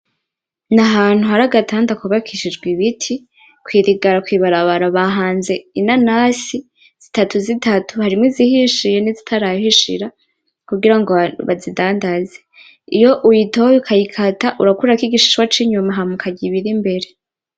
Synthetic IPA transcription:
naɦaːn̥huɦaɾaɡatʰaːndakuβakʰiʃid͡ʒɡwiβitʰi | kwiːɾiɡaɾakwiːβaɾaβaɾaβaɦaːnze̞inanasi | z̥itatuzitatuhaɾimŋwizihiʃije̞nizitʰaɾajhiʃḭɾa | kuɡiɾaŋɡo̞βazidaːndaze | ijo̞ʔujitojikʰajikʰataʔuɾakuɾakiɡiʃi̥ʃwat͡ʃiɲumaɦamukʰaɟiβiɾimbe̞ɾe̞

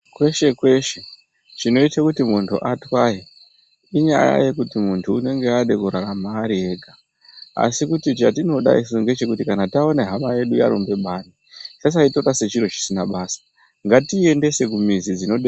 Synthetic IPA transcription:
kwe̞ʃe̞kwe̞ʃe̞ | t͡ʃino̞itakutimuntʰṵʔatwaji | iɲa̰ja̰je̞kutimuntʰuːne̞ŋɡe̞aɗe̞kuɾaɾamaːɾie̞ɡʱa | a̰sikutit͡ʃatino̞ɗa̰isuŋɡe̞t͡ʃe̞kutikanatao̞neɦamaje̞ɗujaɾombe̞ɓani | t͡ʃas̬aito̞rase̞t͡ʃiɾo̞t͡ʃi̥sinaɓaːsḁ | ŋɡatie̞nde̞se̞kumizid͡zino̞ɗe

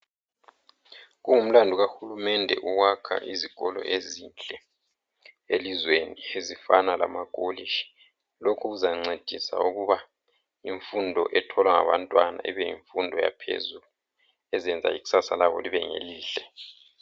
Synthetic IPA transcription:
ɣuŋum̩landʱuɣaxulumɛndʱɛ̰ʔuwakʰa̰ʔiziɣ̥ɔlɔ̰ʔezint͡ɬʼɛ | elizweniezifanala̰maɡ̥ʱoliʃi̥ | lokʰuɣuzaŋ͡ǀed̥ʱisa̰uɣuβa | iɱfundʱɔʔɛtʰɔlwaŋaβantʼwana̰ʔiβɛjḭɱfundʱɔja̰pʰḛzulu | ɛzɛnd͡zʱa̰iɣu̥sasalaβɔ̰liβɛŋḛliːɬɛ

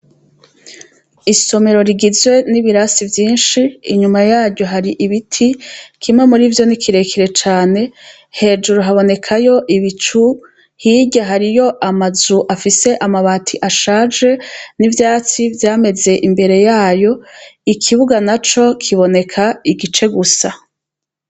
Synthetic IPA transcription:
iso̞me̞ɾo̞ɾiɡizwe̞niβiɾasivjiːnʃiːɲumajaːɾɟo̞ɦaɾiʔiβitʰikimŋe̞muɾivjo̞nikʰiɾe̞kʰiɾe̞t͡ʃaːne̞ | he̞ːd͡ʒuɾuɦaβo̞ne̞kʰajo̞ʔiβit͡ʃu | hiɟaɦaɾijo̞ʔamazuʔafise̞ʔamaβaːtʰiʔaʃaːd͡ʒe̞nivjaːt͡sivjaːme̞ze̞ʔimbe̞ɾe̞jaːjo̞ikʰiβuɡanat͡ʃo̞kʰiβo̞ne̞kʰaiɡit͡ʃe̞ɡusa

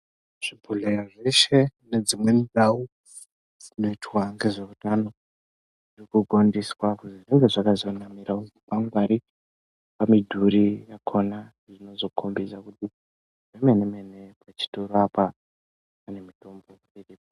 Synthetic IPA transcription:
ʐ̥ibʱulejaʐe̞ʃe̞ne̞d͡zimwe̞ndau | d͡zino̞itwaŋɡe̞ʐeutano̞ | ʐʐirikuɡʱo̞ndiswakuʐireŋɡe̞ʐakazo̞namiɾauzipaŋɡwaɾi | pamidʱuɾijakʰona | ʐino̞zo̞kʰombisakuti | ʐeme̞nemene̞pat͡ʃi̥toɾoapa | pane̞mito̞mbo̞ | iripo

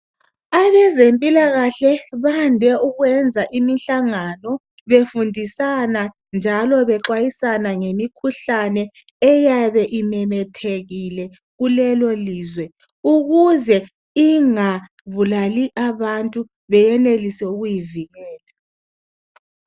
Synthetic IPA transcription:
aβɛzempʼilaɣaɬɛβandʱɛuɣwɛnd͡zʱaʔimiɬaŋanɔ | βefundʱisana | nd͡ʒʱalɔβɛǁwajisanaŋemikʰuɬanɛ | ɛjaβɛʔimɛmɛtʰeɣilɛ | ɣulɛloliːzwɛ | uɣuzɛ | iŋa | βulaliʔaβantʼu | βɛjɛnelisɛuɣujiviɣɛːla

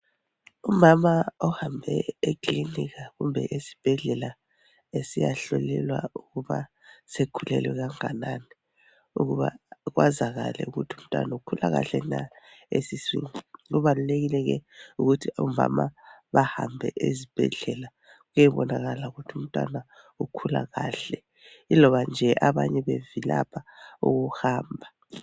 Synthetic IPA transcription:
umamaɔhambʱɛekʼliniɣaɣumbʱɛʔesi̥b̥ʱɛɮɛla | esijaɬolɛlwa̰uɣuβa̰ | sekʰulɛlwɛɣaŋanani | uɣuβaɣwazaɣalɛ̰uɣutʰum̩tʼwa̰naukʰulaɣaɬɛna | esisiŋuɣuβaluleɣilɛɣɛuɣutʰiumbʱa̰maβahambʱɛ̰ʔezib̥ʱɛɮɛla | ɣujɛβɔnaɣalauɣutʰium̩tʼwa̰na | ukʰulaɣaːɬɛ | ilɔβand͡ʒʱɛʔaβaɲɛβevilapʰauɣuhaːmbʱa

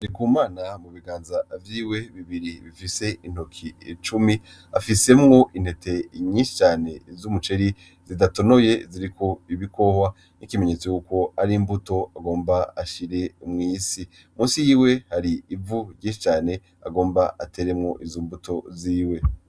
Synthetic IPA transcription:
aɾikuːmaːnamuβiɡaːnzavjiːwe̞βiβiɾiβifise̞ʔin̥okʰḭt͡ʃumi | afise̞mŋo̞ʔinhe̞tʰe̞ɲĩnʃi̥t͡ʃaːne̞zumut͡ʃeɾi | zidato̞no̞je̞ziɾikʰo̞iβiko̞hwa | nikime̞ɲe̞t͡sojuːko̞aɾiːmbuto̞aɡo̞ːmbaaʃiɾe̞umŋiːsi | muːsijiːwe̞haɾiːvuɾjĩːʃi̥t͡ʃaːne̞ | a̰ɡo̞ːmbaʔa̰tʰe̞ːɾe̞mŋo̞̰ʔizoːmbuto̞ziːwe̞

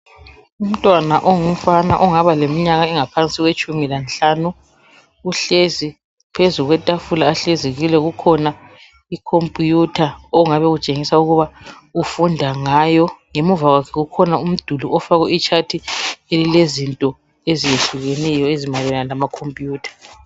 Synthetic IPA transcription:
um̩tʼwanaʔɔŋum̩fana̰ʔɔŋaβalemiɲaɣaɛŋapʰant͡sʼiɣwet͡ʃʼumilant͡ɬaːnuː | ɬezi | pʰezuɣwɛtʼafulaːɬeziɣilɛɣukʰɔna | ikʰompʼjutʰaɔuŋaβɛɣut͡ʃʼeŋisauɣuβa | ufundʱaŋajɔŋemuvaɣwakʰɛɣukʰɔnaum̩d̥ʱuluʔɔfaɣɔit͡ʃʰatʰielilezintʼɔ | ezijeɬuɣenijɔezimalwɛnalamakʰompʼjuːtʰḁ

